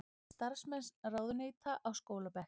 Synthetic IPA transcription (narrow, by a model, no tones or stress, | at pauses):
st̪aɾ̥smɛnsraːwðʏneːjt̪ʰaʔawskoːwlapɛh